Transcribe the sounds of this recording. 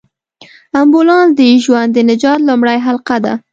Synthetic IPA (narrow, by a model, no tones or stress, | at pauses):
ambolɑnsd̪əʒwand̪ːənɪd͡ʒɑt̪lumɽajɦalqad̪a̰